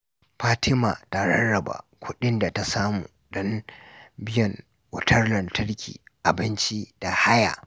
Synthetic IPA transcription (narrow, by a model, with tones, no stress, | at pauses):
ɸaː˦tʰɪ˦maː˨ta˨ɽɐ˦nɽɐ˨ba̰ː˨kʷʊ˦ɗɪ˦nda˨ta˦saː˦muː˨ɗɔ˦m | bɪ˦jɐ˨ŋ | wʊ˨tʰɐ˦rlɐ˨ntʰɐ˦ɽkʲʰḭː˨ʔa˨bɪ˦nt͡ʃi˦d̥a˨ha˦ja̰ː˨